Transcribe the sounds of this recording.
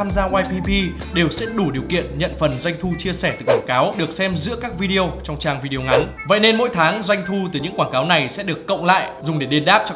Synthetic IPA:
aː˧mzaː˧waː˧jpi˧pi˧ɗe˨˩wsɛ̰˧˥ɗu˧˩ɗi˨˩əwkḭ˧˨ənɲə̰˧˨nfə˨˩nzwa˧jŋ̟t̪ʰu˧t͡ɕi˧əsɛ˧˩t̪ɨ˨˩kwaː˧˩kaː˨˦wɗɨ˨˩ək̚sɛ˧mzɨ̰˧˥əkaː˦˥k̚vi˧ɗi˧ə˧wt͡ɕɔ˧wŋ͡mt͡ɕaː˧ŋvi˧ɗi˧ə˧ŋa˨˦n | və̰˧˨jne˧nmo̰˧˥jt̪ʰaː˨˦ŋzwa˧jŋ̟t̪ʰu˧t̪ɨ˨˩ɲɨ̰˧˥kwaː˧˩nkaː˨˦wna˨˩jsɛ̰˧˥ɗɨ˨˩əkːə̰˧˨wŋ͡mla̰ː˧˨jzʊ˨˩ŋ͡mɗe˧˩ɗe˧nɗaː˦˥p̚t͡ɕɔ˧

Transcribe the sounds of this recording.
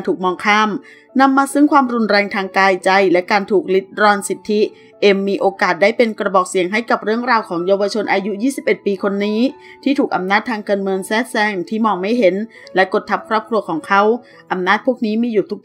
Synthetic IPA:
nt̪ʰuː˨˩k̚mɔː˧ŋkʰaː˥˩m | na˧mːaː˧sɯ˧˥˩ŋkʰwaː˧mɾu˧nɾɛː˧ŋt̪ʰaː˧ŋkaː˧jt͡ɕa˧jlɛ˦˥kaː˧nt̪ʰuː˨˩k̚li˦˥t̪̚ɾɔː˧nsi˨˩t̪ʰːi˦˥ | ʔe˧mːiː˧ʔoː˧kaː˨˩t̪̚daː˥˩jpe˧nkɾa˧bɔː˨˩k̚si˨˩˦əŋɦa˥˩jka˨˩p̚ɾɯ˥˩əŋɾaː˧wkʰɔː˩˦ŋjaː˧wa˧t͡ɕʰo˧nʔaː˧ju˦˥jiː˥˩si˨˩p̚ʔe˨˩t̪̚piː˧kʰo˧nːiː˦˥ | t̪ʰiː˥˩t̪ʰuː˨˩k̚ʔa˧˦mnaː˥˩t̪ʰːaː˧ŋkaː˧nmɯ˧əŋsɛː˦˥˩t̪̚sɛː˧˩ŋt̪ʰiː˥˩mɔː˧ŋma˥˩jɦe˩˦n | lɛ˦˥ko˨˩t̪ʰːa˦˥p̚kʰɾɔː˥˩p̚kʰɾu˧ɐkʰɔː˩˦ŋkʰa˦˥w | ʔa˧mnaː˥˩t̪̚pʰu˥˩ək̚niː˦˥miː˧juː˨˩t̪ʰu˦˥k̚

